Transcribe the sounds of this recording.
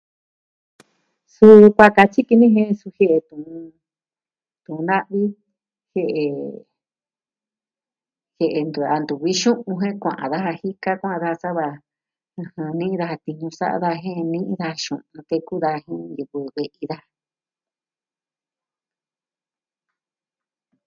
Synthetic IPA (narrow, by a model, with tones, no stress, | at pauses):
su˧kʷa˧ka˧t͡ʃi˦ki˧nĩ˦ɦẽ˧su˧he˧ʔe˧t̪ũ˨ũ˧ | t̪ũ˨ũ˧nã˦ʔβi˦ | he˧ʔe˧ | he˧ʔe˧nd̪u˧a˧nd̪u˨βi˦ʃũ˦ʔũ˧ɦẽ˦kʷã̰˨ʔã̰˨ða˦ɦa˧hi˦ka˦kʷã˦ʔã˧ða˦a˧sa˦βa˧ | ɨ̃˧hã˧nĩ˦ĩ˦ða˧ha˧t̪i˧ɲũ˧sa̰˦a̰˧ða˧ɦẽ˦˧nĩ˦ʔĩ˦˧ða˧a˧ʃṵ̃˨ũ˧t̪e˧ku˦ða˧hẽ˦˧ju˧βɨ˧βe˧ʔi˧ða˦